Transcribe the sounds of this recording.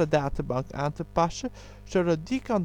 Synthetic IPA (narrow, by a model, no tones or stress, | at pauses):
ədaːtəbɑŋka̰ːntəpɑsə | z̥odɔdikɑn